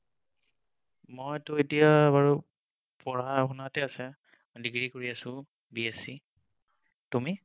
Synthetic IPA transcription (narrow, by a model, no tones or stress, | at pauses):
mɔjtʊetijabaɹu | pɔɹaxunatɛasɛ | diɡɹikoɹiasʊ̃ | biesi | tumi